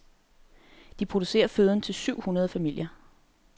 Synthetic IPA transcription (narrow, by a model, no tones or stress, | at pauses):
d̥ipʰʁod̥use̝̰ːɐføð̞ˠn̩t͡sʰe̝lsyʊ̰hunɐðˠəfæmil̰jɐ